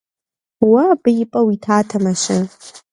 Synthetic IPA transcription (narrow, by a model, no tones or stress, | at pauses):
wabɨjɪpʼɐwitʰaːtʰɐmɐʃɪ